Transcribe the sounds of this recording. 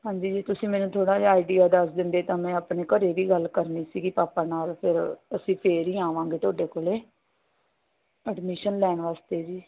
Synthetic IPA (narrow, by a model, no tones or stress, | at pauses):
ɦãːɲd͡ʒiːd͡ʒeːt̪ʊsĩːmɛːnũːt̪ʰoːɽaːd͡ʒaaːiɖiːaːd̪əsd̪ɪnd̪eːt̪ãːmɛ̃ːaːpɳeːkəɾeːʋiːɡəlkəɾniːsiːɡiːpaːpaːnaːlpʰɪɾəsĩːpʰeːɾiːaːʋãːŋɡeːt̪ʰoːɖeːkoːleː | əɖmɪʃənlɛːɳʋaːst̪eːd͡ʒiː